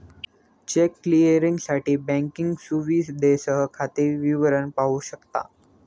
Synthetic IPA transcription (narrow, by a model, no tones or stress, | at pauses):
t͡ɕekːliəɾĩŋɡsaʈiːbɛ̃ŋkɪŋɡsuʋiːsd̪esəɦəkʰat̪iʋiʋəɾənpaɦuɕəkt̪a̰